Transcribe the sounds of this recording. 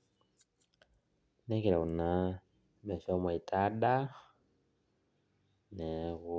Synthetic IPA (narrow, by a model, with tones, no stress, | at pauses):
nɛ˦ki˨ɾa˨u˨na˦ | mɛ˨ʃɔ˦ma˨i˨tʰa˦ɗa˦ | nɛ˨ɣu